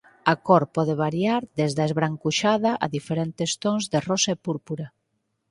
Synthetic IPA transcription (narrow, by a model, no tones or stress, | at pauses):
akɔɾpɔðeβaɾjaɾðezðaezβɾaŋkuʃaðaʔa̰ðifeɾent̪est̪oŋzðerɔsaepuɾpuɾa